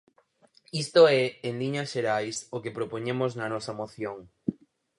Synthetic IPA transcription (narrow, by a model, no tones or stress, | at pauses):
ist̪oɛenliɲɐsʃeɾajsokepɾopoɲemoznɐnɔsɐmoθjoŋ